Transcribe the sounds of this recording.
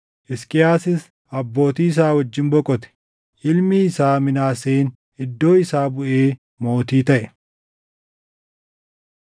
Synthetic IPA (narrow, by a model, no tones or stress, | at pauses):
ʔɪskʼɪjaːsɪs | ɐbːo̞ːt̪iːɪs̬aːwɐd͡ʒːɪnbɔkʼːɔt̪ɛ̥ | ʔɪlmiːsaːmɪnaːseːn | ɪd̪ːo̞ːɪsaːbʊʔeː | mo̞ːt̪iːt̪ɐʔɛ